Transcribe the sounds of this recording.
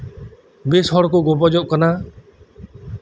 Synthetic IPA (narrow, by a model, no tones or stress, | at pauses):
beːsɔɽkoːɡoːpɔd͡ʒoːʔkənaː